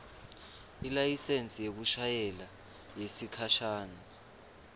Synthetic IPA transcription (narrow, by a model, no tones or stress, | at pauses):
ilajisent͡sʼijek̬uʃajɛla | jesikʰaʃaːna